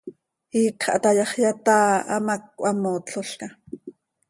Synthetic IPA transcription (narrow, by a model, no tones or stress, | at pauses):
hiːkχʔa̰t̪ajɑχjat̪aːa̰mak̚wʔamoːt͡ɬoɬka